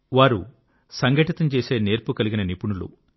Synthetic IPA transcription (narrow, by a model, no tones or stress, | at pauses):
ʋaːɾṵ | sɐŋɡɐʈit̪ɐmt͡ʃe̞ːse̞ːneːɾpukɐliɡinɐnipuɳulṵ